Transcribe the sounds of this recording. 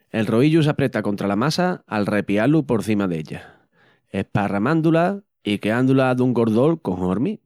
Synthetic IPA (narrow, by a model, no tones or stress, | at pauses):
e̞lro̞iʎus̬apɾe̞t̪ako̞nt̪ɾalamasaːlre̞pialupo̞ɾθimaðe̞̰ʎa̰ | e̞hparamãnd̪ula | ikeand̪ulaðuŋɡo̞ɾðo̞lko̞ŋoɾmi